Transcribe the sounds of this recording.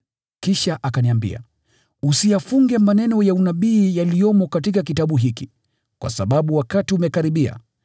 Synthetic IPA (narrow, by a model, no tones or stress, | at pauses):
kiʃaʔakaniambḭa̰ | usijafuŋɡɛmanɛnɔjaunaɓiːjalijɔmɔkatikak̬itaɓuɦiki | kwa̰sa̰ɓaɓuwakatiumɛkaɾiɓia̰